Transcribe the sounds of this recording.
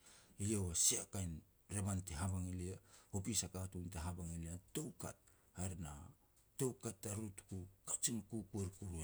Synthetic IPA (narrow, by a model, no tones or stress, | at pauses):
ijewasiakajn | ɾeβanteɦaβaŋiliahupisakatunteɦabaŋiliatowka̰t̚ | haɾna̰ | to̞wkatːaɾutkukat͡ʃinkukueɾkuɾue